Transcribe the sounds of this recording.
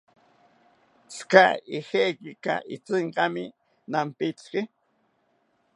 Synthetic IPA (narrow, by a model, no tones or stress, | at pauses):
t͡ska̰ɪxekɪka̰ʔɪt͡seɴqɑmɪ | nampɪt͡skɪ